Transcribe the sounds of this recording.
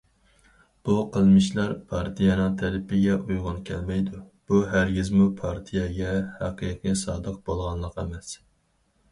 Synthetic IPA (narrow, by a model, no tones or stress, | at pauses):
b̥uqʰəlˠmɪʃlˠɑɾpʰɑɾt̪ʰijɑnɨŋt̪ʰælɪpɪɡʲɛʔujʁʊnkʲʰɛlmɛjd̪u | b̥uɦæɾɡʲizmupʰɑɾt̪ʰijɛɡʲɛhæqʰɨːqʰijsɑːd̪əq̚bolˠʁɑnlˠəqemɛs